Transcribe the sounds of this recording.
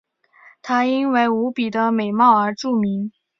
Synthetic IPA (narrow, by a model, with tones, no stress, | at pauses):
t̪ʰa˥i˥nwe˥ɪu˧˥pi˨˩d̪ə˦me˨˩ɪmɑ˥˩ʊə˞˧˥ʈ͡ʂu˥˩mi˧˥ŋ